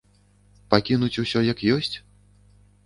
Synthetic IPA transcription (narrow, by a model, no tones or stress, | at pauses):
pakʲinut͡sʲusʲɔjɐkjɔsʲt͡sʲ